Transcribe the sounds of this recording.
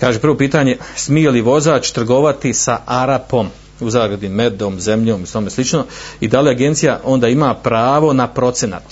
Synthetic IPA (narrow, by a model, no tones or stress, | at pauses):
kaːʒepɾrʋo̞piːt̪aːɲe̞smijeliʋo̞zaːt͡ʃt̪ɾr̩ɡo̞ʋat̪isaaɾapo̞m | uzaːɡɾad̪ime̞d̪omzemʎoːmist̪omeslit͡ʃno̞id̪aleaɡe̞nt̪sijaʔo̞nd̪aːimaːpɾaːʋo̞napɾo̞t̪sena̰t̪